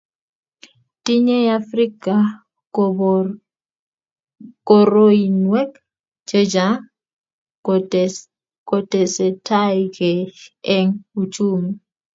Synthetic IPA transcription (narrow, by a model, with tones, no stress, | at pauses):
ti˦ɲɛ˦ja˦fri˦ka˨ | kɔ˨ɾo˦i˨nwɛ˦k | t͡ʃe˦d͡ʒa | kɔ˦tɛ˨sɛ˨tʰa˦jkɛ˨ɛ˦ŋu˨t͡ʃu˦mi˨